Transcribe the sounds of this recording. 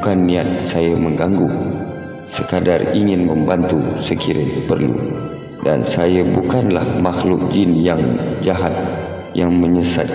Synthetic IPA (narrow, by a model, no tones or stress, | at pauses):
kanːiat̪̚sajəməŋɡaŋɡu | səkadariŋɪnməmbant̪usəkiɾʔə̰pərlṵ | da̰nsajəbukanlahmaxlʊk̚d͡ʒɪnjaŋd͡ʒaɦat̪̚ | jaŋməɲəsa̰t̪̚